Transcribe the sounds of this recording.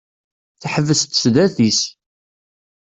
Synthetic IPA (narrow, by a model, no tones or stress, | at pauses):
θħəvːəst̪sðæθis